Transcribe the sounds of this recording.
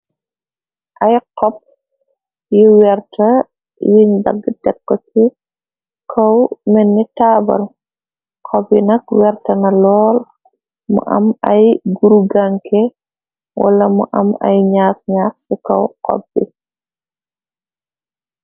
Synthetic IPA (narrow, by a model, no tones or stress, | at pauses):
ʔajqɔp̚ | jiwɛrtɐ | jiɲbɐ̰ɡdɛkːɔki | kʰɔwmɛnːitaːbɐ̰l | kʰɔbinɐkwɛrtɐnɐlɔːl | mṵʔɐ̰mɐjɡuɾuɡaŋkɛ | wʔɐ̰lɐmṵʔɐma̰jɲaːtɲaːksikɔ̰wqɔ̰bːḭ